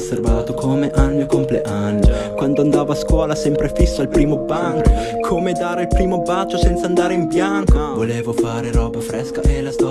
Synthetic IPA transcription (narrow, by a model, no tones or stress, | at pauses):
sːervaːt̪okʰomeʔalɲjokompleʔanːokwand̪oand̪aːvaaskwɔːlasɛmpɾefisːoalpɾiːmobaŋk | kʰomed̪aːɾeilpɾiːmobat͡ʃːosɛnt̪sand̪aːɾeimpjaŋkovoleːvofaːɾeɾɔːbafɾɛskaʔelas